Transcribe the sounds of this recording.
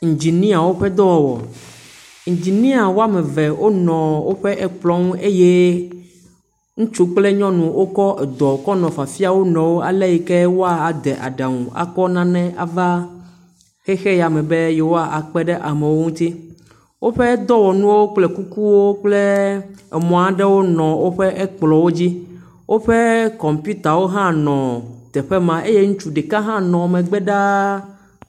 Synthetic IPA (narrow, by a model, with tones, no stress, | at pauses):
ŋ̩̃˨d͡ʑi˨nĩ˦a˨wo˦ɸɛ˦d̪ɔ˦wɔ˨wɔ̰˨ | ŋ̩̃˨d͡ʑi˨nĩ˦a˨wo˦a˦mɛ̃˨vɛ˨wʔo˦nɔ̃˨wo˦ɸɛ˦ʔɛ˦k͡plɔ̃˦ŋ˦e˦je˦ | ŋũ˦t͡ʃu˦k͡ple˦ɲɔ̃˦nũ˨wʔo˦kɔ˦ɛ˨d̪ɔ˨kɔ˦nɔ̃˨fa˨fi˦a˨wo˦nɔ̃˨wo˦a˨lɛ˦ji˨kɛ˦wo˦a˨a˨d̪ɛ˨ʔa̰˨ɖa˨ŋṵ̃˨a̰˨kɔ˦nã˦nɛ̃˦ʔa˨va˦ | xɛ˦xɛ˦ja˨mɛ̃˨be˦jɛ˨wo˦a˦ʔa˨k͡pɛ˦ɖɛ˦ʔa˨mɛ˨wo˦ŋũ˦t̪i˦ | wʔo˦ɸɛ˦d̪ɔ˦wɔ˨nũ˦wo˦k͡plɛ˦ku˦ku˦wo˦k͡ple˦ɛ˨mɔ̃˨a˨ɖɛ˦wo˦nɔ̃˨wʔo˦ɸɛ˦ʔɛ˦k͡plɔ˨wo˦d͡ʑi˦ | wʔo˦ɸɛ˦kɔ˨mpju˦t̪a˨wo˦ɦã˦nɔ̃˨t̪ɛ˨ɸɛ˦mã˦ʔe˦je˦ŋũ˦t͡ʃu˦ɖɛ˨kã˦ɦã˦nɔ̃˨mɛ̃˨ɡ͡bɛ˦ɖa˦